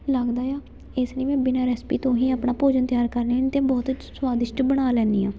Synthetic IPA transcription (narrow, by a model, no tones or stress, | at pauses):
ləɡd̪aːjaː | ɪsliːmɛ̃ːbɪnaːɾɛːspiːt̪õːɦĩːaːpɳaːpoːd͡ʒənt̪jaːɾkəɾneɪnt̪ẽːbɔːt̪swaːd̪ɪʃʈbəɽ̃aːlɛːnd̪iːãː